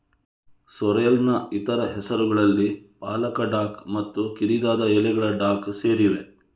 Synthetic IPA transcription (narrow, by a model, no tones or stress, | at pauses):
sɔɾɐjɐlnɐit̪ɐɾɐɦɛsɐɾuɡɐɭɐlːipaːlɐkɐɖaːkmɐt̪ːukiɾid̪aːd̪ɐɛlɛɡɐɭɐɖaːkseːɾiʋe̞